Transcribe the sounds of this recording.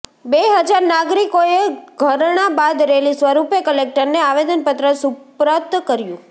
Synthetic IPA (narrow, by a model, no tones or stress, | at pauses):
beɦəd͡ʒaɾnaɡɾikoeɡʱəɾɳabad̪ɾelisʋəɾupjəkəlek̚ʈəɾneaʋed̪ənpət̪ɾəsupɾət̪kəɾjṵ̃